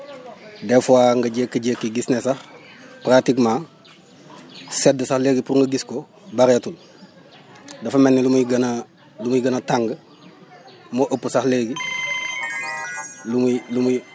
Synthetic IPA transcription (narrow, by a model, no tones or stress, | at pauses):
dɛfuaːŋɡɐɟeːkːəɟekːiɡisnesax | pɾatikmaː | sɛdːəsaxleːɡipuɾuŋɡɐɡisko | baɾɐtul | dɐfɐmɛnːilumuɡɐnɐ | lumuiɡɐnɐtaŋɡə | moʔəpːəsaxleɡi | lumulumu